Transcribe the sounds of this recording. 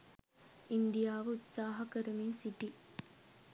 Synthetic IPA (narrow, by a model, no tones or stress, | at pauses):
ind̪ijaːʋəut̪saːɦɐkɐɾəmiːnsiʈi